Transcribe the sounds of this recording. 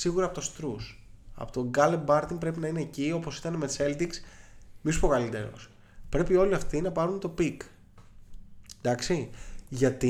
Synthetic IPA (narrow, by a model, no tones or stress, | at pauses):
siɣuɾɐpo̞t̪o̞st̪ɾusɐ̰pot̪oɡɐlembɐɾt̪impɾe̞pinɐine̞ːcio̞posi̥t̪ɐnemese̞ld̪iksmisupo̞kɐlit̪e̞̰ɾo̞̰s | pɾe̞pio̞liɐft̪inɐpɐɾunt̪o̞pik | d̪ɐksiʝɐt̪i